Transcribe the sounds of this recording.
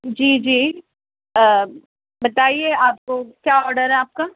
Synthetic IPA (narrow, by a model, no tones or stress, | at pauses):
d͡ʒiːd͡ʒiː | ə | bɐt̪aːieaːp̚kokjaːɔːɾɖəɾɦɛaːp̚ka